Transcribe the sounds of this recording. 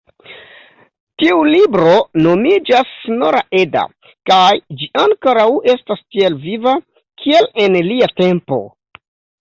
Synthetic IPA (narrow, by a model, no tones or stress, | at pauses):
tiulibɾo̞no̞mid͡ʒasno̞ɾaʔe̞da̰ | kajd͡ʒiʔaŋkoɾawe̞stastielviva | kʰie̞le̞nliate̞mpo̞̰